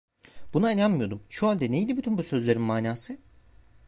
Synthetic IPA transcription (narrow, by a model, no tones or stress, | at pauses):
b̥unaenʲanmɯjo̞d̪umʃuɦalʲd̪ɛnejilʲibyt̪ʰynbusø̞zlʲe̞ɾinmaːnʲaːsɯ